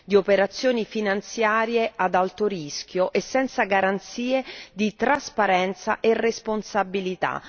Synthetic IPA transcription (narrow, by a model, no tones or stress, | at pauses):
d̪iopeɾat̪sːjoːnifinant̪sjaːɾjead̪alt̪oɾisk̟joʔesːɛnt̪saɡaɾant̪siːed̪it̪ɾaspaɾɛnt̪sa̰ʔeresponsabilit̪a̰